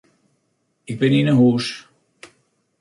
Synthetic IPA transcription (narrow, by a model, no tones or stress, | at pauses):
ɪk̚bɪninəɦuːʃ